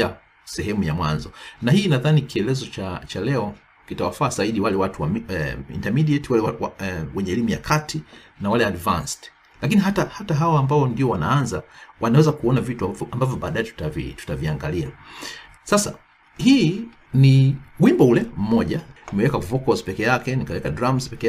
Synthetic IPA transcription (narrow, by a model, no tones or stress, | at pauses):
a | sɛɦɛmujamwa̰nzɔnahiːnaðanikiɛlɛzɔt͡ʃat͡ʃalɛɔ | kitawafaːzaiɗiwalɛwatuwamɛḭntamiɗiɛtiwalɛwawwɛɲɛːlimuja̰kʰatʰi | nawalɛadvanst | lakiniɦatahataɦaɔambaɔndiɔwana̰anzawʔanawɛzakuɔnavituambavjɔɓaːɗaɛtu̥tavḭtu̥taviaŋɡalia̰ | sasa̰ | hiː | niwimbɔulɛm̩mɔʄanimɛwɛkauvɔkɔspɛkɛjakɛnikawɛkadɾamzpɛkɛ